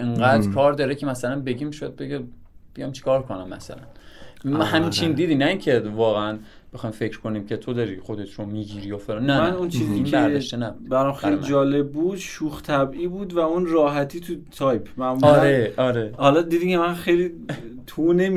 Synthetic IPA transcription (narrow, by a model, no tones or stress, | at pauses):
ʔeɴɢæːd̪ɾkʰɒːɾd̪ɒɾekcʰemæsælænbeɟimiʃojæd̪̚beɡe | b̥ejɒjmt͡ʃʰi̥kʰɒːɾkʰonæmːæ̰sæ̰læ̰n | hæmt͡ʃʰind̪iːd̪inæiːncʰe̞vɒːɣeæn | b̥exɒːjmfe̞cʰɾ̥kʰo̞niːmcʰet̪ʰod̪ɒɾiːxod̪et̪ʰɾomiːɟiːɾiːjofelɑnːæmænunt͡ʃʰiːzibæɾɒʃt̪enæbudd̥̪bæɾamxejlid͡ʒɒːleb̚ːuːd̪ʃuːxt̪ʰæbʔiːbuːd̪væunɾɒːɦæt̪ʰiːt̪ʰut̪ʰɒjpʰmæmuɾeɒɾehɒlɒd̪iːd̪icʰemænxejlit̪ʰunem